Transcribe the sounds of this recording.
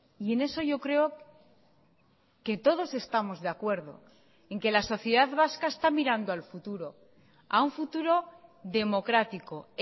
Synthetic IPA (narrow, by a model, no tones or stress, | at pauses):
ie̞ne̞so̞ʝo̞kɾe̞o̞ | ke̞t̪o̞ðo̞se̞st̪amo̞zðeakwe̞ɾð̞o̞̰ | e̞ŋke̞laso̞θje̞ðaðβaskaest̪amiɾand̪oalfut̪uɾo̞ | a̰uɱfut̪uɾo̞ðe̞mo̞kɾat̪iko̞